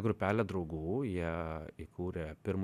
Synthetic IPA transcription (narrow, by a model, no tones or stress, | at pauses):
ɡɾʊpʲæːlʲɛd̪ɾɒʊɡuːjiɛikʰuːɾʲɛpʲɪɾm